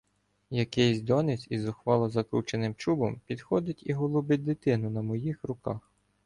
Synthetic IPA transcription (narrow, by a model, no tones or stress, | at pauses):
jɐkɛjsʲd̪ɔnɪt͡sʲizɔxʋɑlˠɔzɐkɾut͡ʃenɪmt͡ʃubɔmpʲid̪xɔd̪ɪtʲiɦɔlˠʊbɪt̚ʲd̪ɪt̪ɪnʊnɐmɔjixrʊkɑx